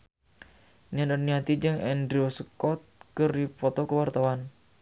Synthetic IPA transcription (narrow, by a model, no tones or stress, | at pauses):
nianəniat̪id͡ʒəŋɛndɾiosəkɔt̪̚kərdipɔt̪ɔkəwart̪awan